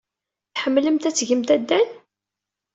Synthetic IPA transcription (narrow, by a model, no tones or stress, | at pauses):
θħəmːləmt̪æt͡sːʝəmt̪æd̪ːæn